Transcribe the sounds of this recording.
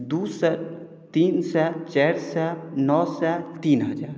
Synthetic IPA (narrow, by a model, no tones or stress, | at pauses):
d̪uːsɛ | t̪iːnsɛt͡ʃɛːɾsɛnɔːsɛt̪iːnɦɐd͡ʒaːɾ